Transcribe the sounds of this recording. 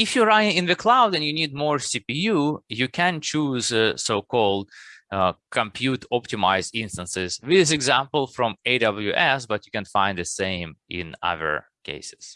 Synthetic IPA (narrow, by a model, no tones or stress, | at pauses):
ɪfjəɹaɪɪ̃ŋɪ̃nðɨkʰlaʊdɨ̃njɨnid̚mɔɹsipijujɨkʰæ̃nt͡ʃʰuzsoʊkʰɔlˠd̚ | kʰə̃mpʰjutɔp̚tɨmaɪzdɪ̃nstə̃nsɪzwɨðɪs̬ɨɡzæ̃mpl̩ˠfɹɔ̃meɪdʌbl̩ˠjuʔɛsbʌtjɨkɨ̃nfãɪ̃nd̪ðɨsẽɪ̃mʔɪ̰̃nʌ̰ðə̰˞ | kʰḛɪsɪ̥z̥